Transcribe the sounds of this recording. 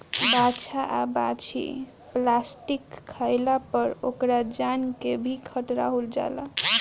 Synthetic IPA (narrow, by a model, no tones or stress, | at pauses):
bat͡ʃʰaʔabat͡ʃʰḭ | plasʈikʰːajlapəɾokɾad͡ʒankebʱikʰəʈɾa̰ɦold͡ʒa̰la̰